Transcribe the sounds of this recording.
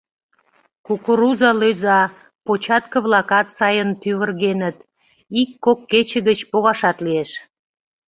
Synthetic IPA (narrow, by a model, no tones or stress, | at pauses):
kukuɾuzɑløzɑ | pot͡ɕɑt̪̚kə̆βlɑkɑt̪sɑjənt̪yβərɣenət̪ | ikːokːet͡ɕə̆ɣət͡ɕpoɣɑʃɑt̪lieʃ